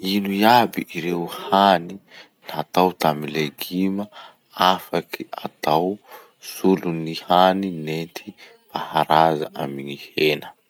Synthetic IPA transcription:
inujabiʔiɾewhani | nat̪awt̪amileɡima | afakiat̪aw | sulunihaninent̪ʰi̥ | pahaɾaza̰ʔamiɲihenə

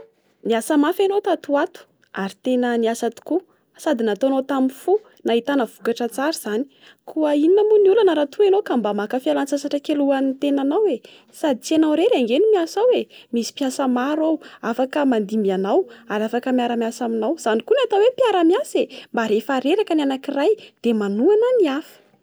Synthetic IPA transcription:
niasamafanot̪at̪uat̪u̥ | aɾit̪enəniasat̪u̥ku | sad̪inat̪onot̪amifu | naɦit̪anəv̥ukaʈ͡ʂət͡saɾiz̥ani̥ | kʰuəininəmuniulanəɾat̪ʰuenokambamakəfialant͡sasaʈ͡ʂəkeluanit̪enanawe | sad̪it͡sianawɾeɾeaŋɡenimiasawemisi̥piasəmaɾawafakəmand̪imbianawaɾafakəmiaɾamiasaminawz̥anikuniat̪awepiaɾamjasembaɾefaɾeɾakənianakirajd̪̥emanuananiafə̥

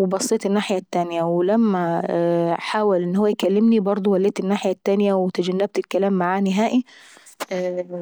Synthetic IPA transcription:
webɑsˤːeːt̪ɪnːaːħɪjat̪ːanɪjæwɪlæmːæ | ħaːwalʔɪnːhowːæjkælːɪmnibɑɾˤd̪ˤowælːeːt̪ɪnːaːħɪjat̪ːanɪjæwɪt̪ad͡ʒænːæb̚t̪ɪlkælaːmːaʕaːniɦaːʔi

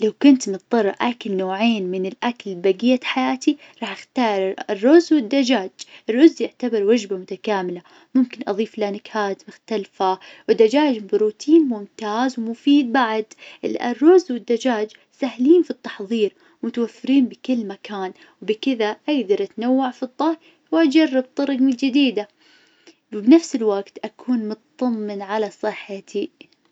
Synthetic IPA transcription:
lawkʊnt̪nɨt̪̚ˤðˤɑrˤːʔʔakalnoːʕeːnmɪnɪlʔakalbaɡɪjːaħajaːt̪i | ɾˤɑːħʔɪxt̪ɑːɾˤɪrːʊzwɪd̪ːad͡ʒaːd͡ʒɪrːʊzːjɪʕt̪abɪɾwad͡ʒbamʊt̪akaːmɪla | mʊmkɪnʔɑ̰ðˤiːflanɪkhaːt̪mʊxt̪alfawɪd̪ːad͡ʒaːd͡ʒmbɾuːt̪ʰiːnmʊmt̪aːzwmʊfiːd̪̚baʕd̪ʔɪ̰lʔa̰rˤːʊzwɪd̪ːad͡ʒaːd͡ʒ | sahliːnfit̪ˤːɑħðˤiːɾ | mʊt̪awafːɪɾiːnbɪkɪlːmakaːn | wbɪkɪðaʔaɡd̪ɑɾˤʔat̪nawːaʕfid̪ˤːɑɾ | wʔad͡ʒɑrˤːɑb̚t̪ˤɑɾˤɡmɪld͡ʒɪd̪iːd̪a | wbnafsɪlwaɡt̪ʔakʰuːnmʊt̪t̪ˤːɑmːɪnʕalasˤɨħːat̪ʰi

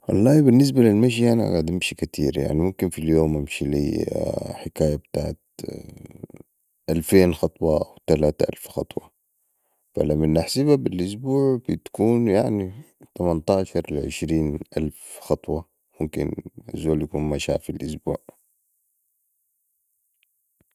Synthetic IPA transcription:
wɑ̰lˤːɑːbinːis̬balilmaʃ̬iʔana̰ɡaːd̪imʃikat̪ʰiːɾja̰ʕnimumkinfiljoːmʔamʃilḭ | ħɪkaːjabt̪aːʕat̪ | ʔalfeːnxɑt̪ˤwɑʔawt̪alaːt̪aʔa̰lfxɑt̪ˤwɑ | fa̰lamːanʔaħsibabilʔʊs̬buːʕbit̪ḁkuːnjaʕni | t̪amant̪aːʃɑɾˤlʕɪ̰ʃɾiːnʔalfxɑt̪ˤwɑ | mumkḭnʔazoːljakuːnmaʃa̰ːfilʔʊsbṵːʕ

